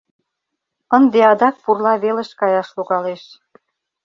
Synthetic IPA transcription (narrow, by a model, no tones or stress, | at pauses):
ə̆nd̪eɑd̪ɑk̚purlɑβeleʃkɑjɑʃluɣɑleʃ